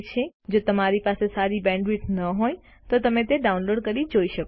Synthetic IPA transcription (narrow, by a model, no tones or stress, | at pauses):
t͡ʃʰed͡ʒot̪əmaɾipasesaɾibɛ̃ɳɖʋiʈnəɦoj | t̪ot̪əmẽt̪eɖaunloɖkəɾid͡ʒoiʃək